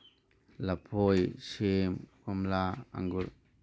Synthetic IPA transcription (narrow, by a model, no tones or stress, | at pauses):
lapʰojʃemkamlaa̰ŋɡuɾ